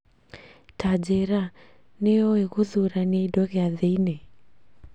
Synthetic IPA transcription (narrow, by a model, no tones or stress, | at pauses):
tad͡ʒɛɾa | neɔɛɣuðuɾaneidɔɣeaðeinɛ